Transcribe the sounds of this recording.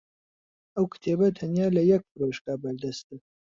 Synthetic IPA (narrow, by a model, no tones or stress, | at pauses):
ɐwkʰɨ̥t̪ʰeːbɐt̪ʰɐnjaːlɐjɛk̚pɨɾoʃkabɐɾd̪ɐst̪̚e